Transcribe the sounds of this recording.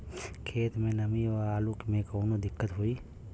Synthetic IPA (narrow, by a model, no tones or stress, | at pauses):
kʰeːt̪ʰmẽnɐmiɔɾaːlukmẽkoːnod̪ɪkːət̪ɦʊiː